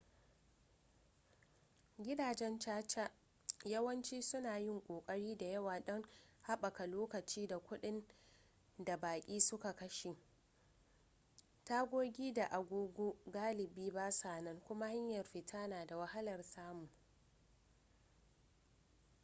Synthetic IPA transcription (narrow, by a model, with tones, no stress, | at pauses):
ɡʲɪ˦daː˨d͡ʒɛ˦nt͡ʃaː˦t͡ʃa˦ | jɐ˦wɐ˦nt͡ʃiː˦sʊ˦naː˨jɪ˦ŋkʷʼoː˨kʼɐ˦ɽiː˦da˨jɐ˦waː˨ɗɐ˦ŋha˦ɓɐ˨ka˨loː˦kɐ˨t͡ʃiː˦da˨kʷʊ˦ɗɪ˦n | da˨baː˨kʲʼiː˦sʊ˦ka˨kɐ˦ʃi˨ | taː˦ɡʷoː˦ɡʲiː˦da˨ʔa˨ɡʷoː˦ɡʷoː˦ɡaː˦lɪ˨biː˦baː˦saː˨nɐ˦ŋkʷʊ˦ma˦ha˦ɲjɐ˨rɸi˨tʰaː˦naː˨da˨wɐ˦ha˦lɐ˨rsaː˦mʊ˨